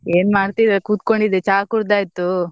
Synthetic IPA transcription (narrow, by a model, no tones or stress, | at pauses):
eːnmaːɽt̪id̪ɐkuːt̪koɳɖid̪et͡ʃaːkuɾd̪aːjt̪ːu